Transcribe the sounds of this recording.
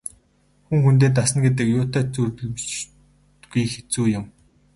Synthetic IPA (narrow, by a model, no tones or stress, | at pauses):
xuŋxunt̪̬eːt̪̬asə̆nɡet̪̬ɘ̆kjʊːt̪aːt͡surtɵ̆ɮt͡ɕ | t̪ɡujxet͡suːjʊ̆m